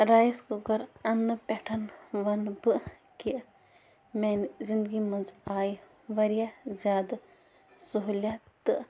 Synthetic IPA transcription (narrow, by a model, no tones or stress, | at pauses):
ɾajskuɡɐɾɐnːɨpʲɛʈʰɐnʋɐnbɨ | kiʔ | mɛnzind̪ɡimɐnzaːj | ʋɐɾijazaːd̪ | suɦulʲjat̪ɨ